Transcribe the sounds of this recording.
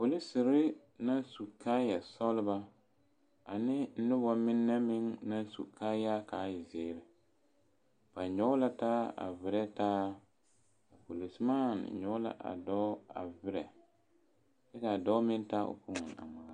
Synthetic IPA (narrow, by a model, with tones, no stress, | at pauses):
po˨li˦sɪ˨ɾɪ˦ | na˦n˦su˨kaː˦ja˨sɔ˦lɪ˦ba˦ | a˨nɪ˦n̩˦nʊ˦ba˨mɪ˦nːɛ˦mɪ˦ŋna˦n˦sṵ˨kaː˦ja˦kaː˨˦jɪ˨zɪː˦˨ɾɪ˨ | b̥a˨ɲɔ˦la˦taː˦a̰˨vɪ˨˦ɾɛ˦taː˦ | a˨po˨li˨smaː˦˨n̰˨ɲɔ˦la̰˦ʔa̰˨dɔ˦a̰˨vɪ˦ɾɛ˨ | dɛ˦ka˨dɔ˦mɪ˦ntaː˦ʊ̰˨pʊ˦ŋʊ̰˨na̰˨ma˨˦